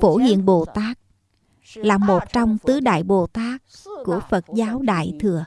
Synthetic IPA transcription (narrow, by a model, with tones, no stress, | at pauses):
fo˧˩hḭ˧˨ənɓo˨˩t̪aː˦˥k̚ | laː˨˩mo˨˩t̚t͡ɕɔ˧wŋ͡mt̪ɨ˨˦ɗa̰ː˧˨jɓo˨˩t̪aː˦˥kː | u˧˩əfə˨˩t̚zaː˨˦wɗa̰ː˧˨jt̪ʰɨ˨˩ə